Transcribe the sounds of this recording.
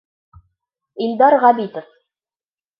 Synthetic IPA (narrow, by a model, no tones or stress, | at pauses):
ild̪ɑɾʁɑbit̪of